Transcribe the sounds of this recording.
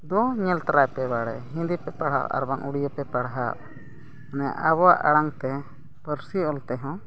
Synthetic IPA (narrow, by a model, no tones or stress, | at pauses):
d̪ɔɲɛlt̪aɾajpɛbaɽɛɦĩnd̪ipɛpaɽɦa̰ʔa̰ɾbaŋʔuɽijəpɛpaɽɦaʔ | anaja̰ʔabɔwaʔaɽaŋt̪ɛ | pəɾsiɔlt̪ɛɦɔ̃